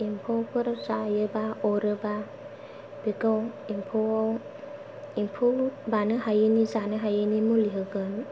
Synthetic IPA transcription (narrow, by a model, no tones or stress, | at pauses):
impʰɔwpʰɯɾzajɯbaɔɾɯba | biɡaw | impʰɔaw | impʰubanɯɦajɯnizanɯɦajɯnimuliɦɯɡɯn